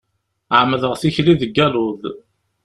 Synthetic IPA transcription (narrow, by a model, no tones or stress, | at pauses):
ʕmːəðəʁθiçliðəɡːælʊð